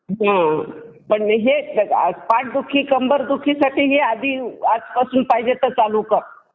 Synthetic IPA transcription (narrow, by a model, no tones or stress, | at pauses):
ɦã | pəɳɦea̰spãːʈ̚ʰd̪ukʰːikəmbəɾd̪ukʰːisaʈiɦead̪ʱiat̪kəsumpaid͡ʒet̪ət͡salukəɾ